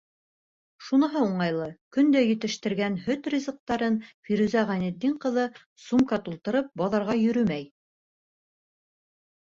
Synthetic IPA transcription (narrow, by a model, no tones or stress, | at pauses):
ʃunɤ̆ɦɤuɴɑjlˠɤkɵ̆nd̪æjɘ̆t̪ɘ̆ʃt̪ɘ̆ɾɡænhɵt̪rʲizɤ̆q̚t̪ɑɾɤnfiɾʉzæʁænɘ̆d̪ːiɴqɤ̆ðɤ | sumkɑt̪ulˠt̪ɤ̆ɾɤp̚bɒðɑɾʁɑjɵ̆ɾɵmæj